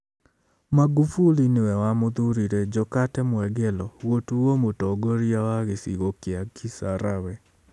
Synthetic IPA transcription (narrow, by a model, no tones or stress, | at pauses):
maɡufulinewɛwamod̪uɾiɾed͡ʒɔkatɛmwɛɡɛlɔɣotuwomotɔɡoɾiawaɣesḭɣokɪakʰisaɾawɛ